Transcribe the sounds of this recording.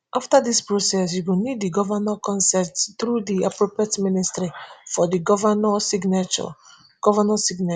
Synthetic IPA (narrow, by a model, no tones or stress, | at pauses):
ʔaftadispɹosɛs̬juɡiniddiɡɔvanɔkɔ̃nsɛtstɾudiapɹopetministɾifɔdiɡɔvanɔsiɡnat͡ʃɔ̰ | ɡ̥ɔvanɔsiɡna